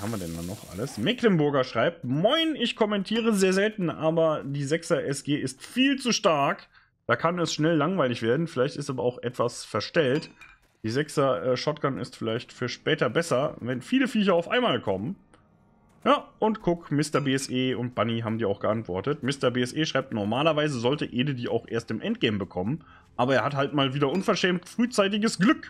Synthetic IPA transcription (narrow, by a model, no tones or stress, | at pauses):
haːmviːɐdɛndanːɔχʔa̰ləsmɛklənbʊɐɡɐʃʁ̥aɪp̚tmaɪnɪçkʰɔmɛntʰiːʁ̞əzeːɐzɛltn̩ʔaːbɐdiːzɛksɐʔɛsɡ̥eːɪstfiːlt͡suʃtaɐk | d̥aːkʰanɛsʃnɛlːaŋvaɪlɪçv̥eːɐdn̩fɪlaɪçtɪstaːbɐaʊxʔɛtv̥asfɛɐʃtɛlt | d̥iːzɛksɐɛːʃɔt̚ɡ̥anɪ̰stfɪlaɪçtfyːɐʃpɛːtɐbɛsɐvɛnfiːləfiːçɐaʊfʔa̰ɪnmaːlkʰɔmən | jaːʔʊntkʰʊkmɪstɐbeːɛsʔeːʊnt̚b̥aniɦaːbm̩diːaʊxɡ̥əʔantv̥ɔɐtətmɪstɐbeːɛsʔeːʃʁ̥aɪp̚tnɔɐmaːlɐvaɪzəzɔltəʔeːdədiːʔa̰ʊxʔḛːɐstdɪmʔɛnt̚ɡ̥ɛːm̩bəkʰɔmən | ʔaːbɐeːɐhathaltmaːlviːdɐʔʊnfɛɐʃɛːmtfʁ̥yːt͡saɪtɪɡəsɡ̥lʏk